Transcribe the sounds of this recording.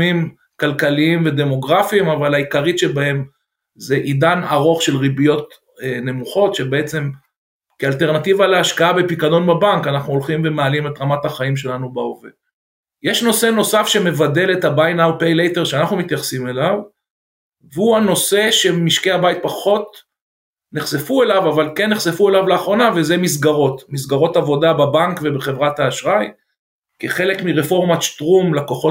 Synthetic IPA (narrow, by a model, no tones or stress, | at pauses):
im | kalkaliimve̞d̪e̞moɡʁafimavalaikaʁit̪ʃe̞bahem | zeʔid̪anaʁo̞χʃe̞lʁibijo̞t̪ː | ne̞muχo̞tʃe̞be̞et͡se̞m | kealt̪e̞ʁnat̪ivaleaʃkaabepikado̞nbabaŋkanaχnuolχimve̞mealimet̪ʁamat̪haχaimʃe̞lanubaove | jeʃno̞se̞no̞safʃe̞me̞vade̞let̪habajnawpejlejteʁʃeanaχnumit̪jaχsime̞lav | veuano̞se̞ʃe̞miʃkeabait̪̚paχo̞t | neχsefue̞lavavalkenːeχse̞fue̞lavleaχʁo̞nave̞zemis̬ɡaʁo̞tmis̬ɡaʁo̞tavo̞dababaŋkvebeχe̞vʁat̪aːʃʁaj | keχe̞lekmiʁefo̞ʁmaʃtʁumlakoχo